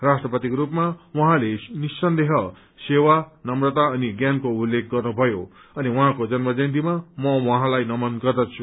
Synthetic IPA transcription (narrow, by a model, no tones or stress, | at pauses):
rasʈrʌpʌt̪ikɾupmawʌɦãlenisːʌnd̪eɦʌ | sewanʌmrʌt̪aʌniɡjankoulːek̚ɡʌrnubʱʌjo | ʌniwʌɦãkod͡zʌnmʌd͡zʌnd̪̬imamʌwʌɦãlajnʌmʌnɡʌrd̪ʌt͡sʰu̥